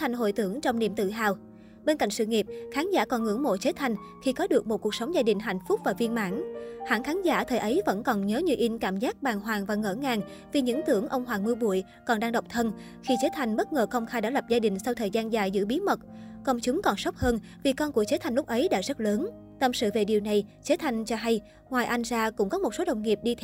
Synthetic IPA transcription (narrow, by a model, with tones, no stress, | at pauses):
t̪ʰa˨˩ŋ̟ɦo̰˧˨jt̪ɨ˧˩əŋt͡ɕɔ˧wŋ͡mnḭ˧˨əmt̪ɨ̰˧˨ɦaː˧˨˩w | ɓe˧nka̰˧˨jŋsɨ̰˧˨ŋi˨˩əp̚xaː˨˦nza̰ː˧˩kɔ˨˩nŋɨ̰˧˥əŋmo̰˧˨t͡ɕe˨˦t̪ʰa˨˩jŋ̟ | xi˧kɔ˨˦ɗɨ˨˩ək̚mo˨˩t̚ku˨˩ək̚sə˨˦wŋ͡mzaː˧ɗï˨˩ŋ̟ɦa̰˧˨jŋ̟fʊ˦˥k͡p̚vaː˨˩vi˧ənma̰ː˧˥nha̰ː˧˥xaː˨˦nza̰ː˧˩t̪ʰəː˨˩jʔə˨˦jvə̰˧˥nkɔ˨˩nɲəː˨˦ɲɨ˧wʔi˧nkaː˧˩mzaː˦˥k̚ɓaː˨˩ŋɦwaː˨˩ŋvaː˨˩ŋə̰ː˧˩ŋaː˨˩ŋ | vi˨˩ɲɨ̰˧˥ŋt̪ɨ˧˩əŋʔə˧wŋ͡mɦwaː˨˩ŋmɨ˧ɓṵ˧˩˨əj | kɔ˨˩nɗaː˧ŋɗə˨˩wk͡p̚t̪ʰə˧n | xi˧t͡ɕe˨˦t̪ʰa˨˩jŋ̟ɓə˦˥t̚ŋəː˨˩xə˧wŋ͡mxaː˧jɗa̰ː˧˥lə˨˩p̚zaː˧ɗï˨˩ŋ̟sa˧wt̪ʰəː˨˩jzaː˧nzaː˨˩jzɨ̰˧˥ɓi˨˦əmə˨˩t̚kɔ˧wŋ͡mt͡ɕʊ˨˦ŋ͡mkɔ˨˩nsə˦˥k͡p̚həː˧n | vi˨˩kɔ˧nku˧˩ət͡ɕe˨˦t̪ʰa˨˩ŋ̟lʊ˦˥k͡p̚ʔə˨˦jɗa̰ː˧˥zə˦˥t̚ləː˨˦n | t̪ə˧˨˩msɨ̰˧˨ve˨˩ɗi˨˩əwna˨˩jt͡ɕe˨˦t̪ʰa˨˩jŋ̟t͡ɕɔ˧ɦa˧j | ŋwaː˨˩jʔa˧jŋ̟zaː˧kʊ̰˧˥ŋ͡mkɔ˨˦mo˨˩t̚so˨˦ɗə˨˩wŋ͡mŋi˨˩p̚ɗi˧t̪ʰ